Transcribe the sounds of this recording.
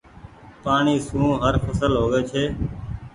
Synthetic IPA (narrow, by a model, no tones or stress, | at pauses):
paːɳiːsũːɦəɾfʰəsəlɦoːɠeːt͡ʃʰeː